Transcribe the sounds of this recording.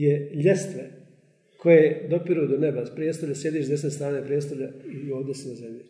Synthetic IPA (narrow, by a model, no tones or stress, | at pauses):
jeʎe̞st̪ʋe | kʰojed̪opiɾud̪onebaspɾjest̪oʎʲasjed̪iːʃzesnest̪ɾaːnepɾiest̪oʎaioːʋd̪esinazemje